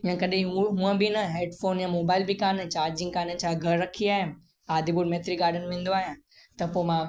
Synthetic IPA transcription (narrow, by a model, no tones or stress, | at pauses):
ijãkɐɗẽɦuɦũə̃bɪnɐɦeːɖfoːnjãmoːbaːɪlbɪkaːnət͡ɕaːɾd͡ʑɪ̃ŋɡkaːnənɪ̆t͡ɕʰãɡʱɐɾɾɐkʰiaːɦɪnɪ | aːd̪ʱibʊɾmeːt̪ɾiɡaːɾɖənʋɪ̃ːnd̪oaːɦjãː | t̪ɐpoːmã